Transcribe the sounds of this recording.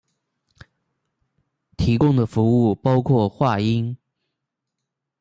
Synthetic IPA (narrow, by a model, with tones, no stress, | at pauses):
t̪ʰi˧˥kʊ˥ŋd̪ə˨fu˧˥u˥˩pɑ˥ʊkʰwɔ˥˧xwa˥˩i˥n